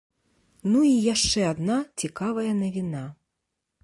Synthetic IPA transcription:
nuijaʂt͡ʂɛad̪nat͡sʲikavɐjɐnɐvʲina

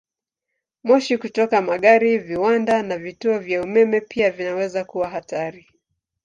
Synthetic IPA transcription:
mɔʃikutɔkamaɠaɾiviwandanavituɔvjaumɛmɛpʰiavinawɛzakuwaɦataɾi

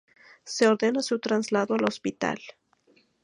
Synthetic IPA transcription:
seo̞ɾðe̞nasut̪ɾanzlaðoalo̞spit̪a̰l

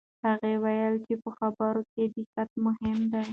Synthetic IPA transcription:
haɣewajəlt͡ʃepəxabəɾoked̪ɪkat̪̚mʊhɪmd̪a

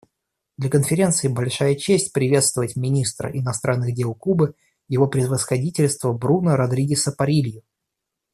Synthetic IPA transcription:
d̪lʲəkənfʲɪɾʲe̞nt̪sɨɪbɐlʲʂajət͡ɕesʲtʲpɾʲɪvʲe̞t̪st̪vəvətʲmʲɪnʲist̪ɾə̰ʔɪnɐst̪ɾʔanːɨɣdʲe̞lˠkubɨ | jɪvo̞pɾʲɪvəsxɐdʲitʲɪlʲst̪vəbɾunəɾɐd̪ɾʲiɡʲɪsəpɐɾʲilʲjʊ

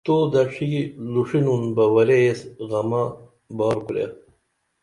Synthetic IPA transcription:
t̪oːd̪ɐʂiɡiluʂinunbɐwɐɾeesɣɐma | bɑːɾkuɾḛ

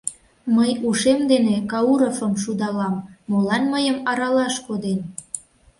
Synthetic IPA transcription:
məjuʃemd̪enekɑuɾofəmʃud̪ɑlɑmːolɑnməjəmɑɾɑlɑʃkod̪en

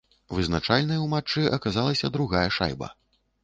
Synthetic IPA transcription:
vɨznat͡ʂalʲnɐjwmat͡ʂːɨʔɐkazalˠɐsʲɐd̪ɾuɣajɐʂa̰jbɐ̰

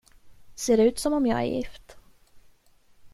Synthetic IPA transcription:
seːɾʉ̟ːt̪sɔmɔmjɑ̰ːɡæ̰ɾjɪ̰ft̪

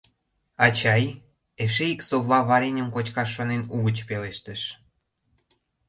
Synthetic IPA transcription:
ɑt͡ɕɑj | eʃ̬eiksoβlɑβɑɾenʲəmkot͡ɕkɑʃːonenuɣət͡ɕpeleʃt̪əʃ

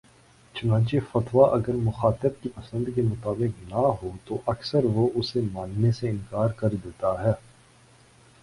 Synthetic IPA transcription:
t͡ʃʊnãːt͡ʃefɐt̪ʋaʔɐɡəɾmʊxaːt̪əb̚kipɐsə̃nd̪kemʊt̪aːbɪqnɐɦot̪oʔɐksəɾʋoʔʊsemaːnːeseɪ̃nkaːɾkɐɾd̪eːt̪aɦɛː

